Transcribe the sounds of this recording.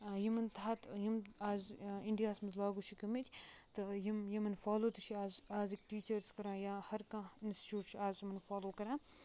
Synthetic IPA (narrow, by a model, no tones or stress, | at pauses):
jimɐnt̪aːt̪jimaːzɪɳɖijaːsmɐzlaːɡuʃʰikɐmit̪ʲʰt̪ɨjimjemɐnfaːloːt̪ɨʃʰiaːzaːzikʈiːt͡ʃɐɾskɐɾãːjãːhɐɾkãːinsti̥t͡ʃuːʈʃʰiaːzmɐnfaːloːkɐɾãː